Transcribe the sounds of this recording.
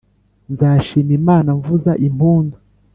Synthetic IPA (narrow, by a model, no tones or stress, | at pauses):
nzaːʃiːmimaːnaɱvuzaʔimpuːndu